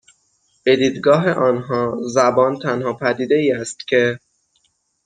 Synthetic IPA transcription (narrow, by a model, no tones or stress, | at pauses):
b̥e̞d̪iːd̪ɡɒːɦeʔɒːnɦɒːzæbɒːnt̪ʰænhɒːpʰæd̪iːd̪e̞iːæst̪cʲʰe̞